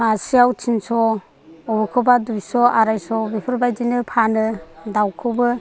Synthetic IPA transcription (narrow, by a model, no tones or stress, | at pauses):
masiawtʰinsɔ | ɔbɯkʰɯbadujsɔaɾajsɔbipʰɯɾbajdinɯpʰanɯdawkʰɯwbɯ